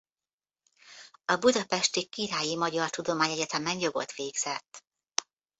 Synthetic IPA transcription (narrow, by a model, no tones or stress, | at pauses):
ɒbud̪ɒpɛʃt̪ikːiɾaːjimɒɟɒrt̪ud̪o̞maːɲɛɟɛt̪ɛmɛnjo̞ɡo̞t̪ʋeːɡz̥ɛt̪ː